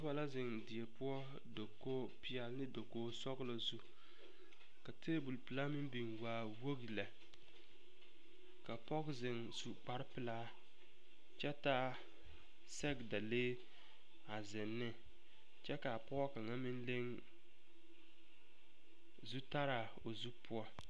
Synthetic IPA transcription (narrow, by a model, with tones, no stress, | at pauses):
a˦ba˨la˦zɪ˨ŋdɪ˨e˨pʊ˦ɔ˦ | do˨kːo˦pɪ˦a˨lnɪ˦do˨koː˦sɔ˦ɡlo˨zu˦ | ka˨teː˦bu˨lpɨ˨la˦mɪ˦m˦bi˨ŋwaː˨˦ | wo˦ɡi˨la˨ | ka˨pɔ˦ɡzɪ˨ŋsu˨k͡pa˦ɾpɪ˨laː˦ | t͡ʃɛ˦ta˦ | sɛ˦ɡda˨leː˦ | a˨zɪ˨nːɪ˦ | t͡ʃɛ˦ka˨pɔ˦ɔ˦ka˨ŋa˦mɪ˦n˦le˦ŋ | zu˦ta˦ɾa˨ | o˨zu˦pʰu˦ɔ˦